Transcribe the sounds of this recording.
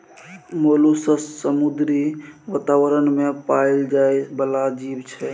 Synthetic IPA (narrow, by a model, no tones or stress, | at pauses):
molusəssəmud̪ɾiʋat̪awəɾənmepaild͡ʒaebəlad͡ʒibt͡ʃʰɛ